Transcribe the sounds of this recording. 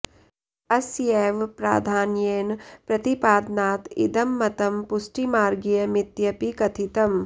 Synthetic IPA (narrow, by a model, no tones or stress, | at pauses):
ɐsjeʋpɾa̰ːd̪ʱaːnjeːnpɾɐt̪ipaːd̪naːt̪ḭd̪ɐmːɐt̪ɐmpusʈimaːɾɡijɐmit̪jɐpikɐt̪ʰit̪ɐm